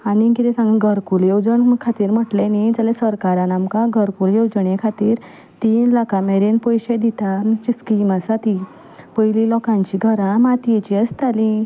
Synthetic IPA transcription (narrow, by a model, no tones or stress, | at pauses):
anikit̪ɛ̃sãŋɡəɡʱəɾkuljewd͡zəɳkʰat̪iːɾm̤əʈlenid͡zalesəɾkaɾanamkãɡʱəɾkuljewd͡zəɳjekʰat̪iːɾ | t̪iːnlakʰameɾenpɔjɕed̪it̪amt͡ɕiskimasat̪i | pəjlilɔkãɲt͡ɕiɡʱəɾãmat̪et͡ɕiəst̪alĩ